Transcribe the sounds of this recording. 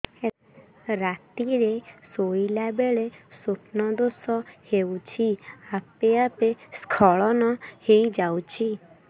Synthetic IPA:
e | ɾat̪iɾesoilabeɭesupnɔd̪osɔhewt͡ʃʰiapeapeskʰɔɭɔnɔhejd͡ʒawt͡ʃʰi

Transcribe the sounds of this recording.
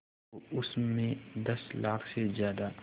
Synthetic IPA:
oʊsmẽd̪ɐslaːkʰsezjaːd̪a

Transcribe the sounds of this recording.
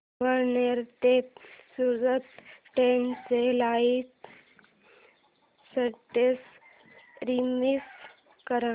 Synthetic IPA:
ʋəɾneɾt̪esuɾɡət̪ʈent͡selait̪ | səʈes | ɾimis | kəɾã

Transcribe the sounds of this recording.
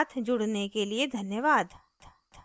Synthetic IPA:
t̪ʰd͡ʒʊɽnekelied̪ʱɐnjəʋaːd̪

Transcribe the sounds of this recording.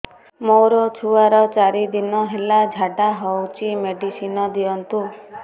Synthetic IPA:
mowɾɔt͡ʃʰuaɾɔt͡ʃaɾid̪inɔɦelad͡ʒʱaʈaɦɔwt͡ʃʰimeɖisinɔd̪iɔnt̪u

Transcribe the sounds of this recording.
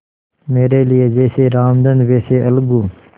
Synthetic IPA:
meːɾeːlɪeːd͡ʒeːseːɾaːmd̪ənd̪ʋeːseːʔəlɡuː

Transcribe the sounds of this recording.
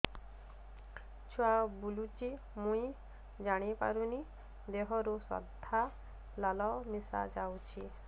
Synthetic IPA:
t͡ʃʰuabulut͡ʃi | mũi | d͡ʒaɽ̃ipa̰ɾuni | d̪eɦɔɾusɔ̰d̪ʱa | lalɔmisa̰d͡ʒawt͡ʃʰi

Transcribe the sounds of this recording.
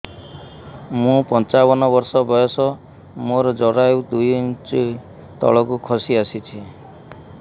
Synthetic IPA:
mũpɔnt͡ʃabɔnɔbɔɾsɔbɔjɔsɔ | moɾɔd͡ʒɔɾajud̪ujnt͡ʃi | t̪ɔ̰ɭɔkukʰɔsiasit͡ʃʰi

